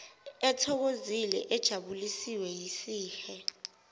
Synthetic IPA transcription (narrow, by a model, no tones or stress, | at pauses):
ɛtʰɔk̬ozilɛʔɛd̥ʒ̥ʱaɓulisiwɛjisiːxɛ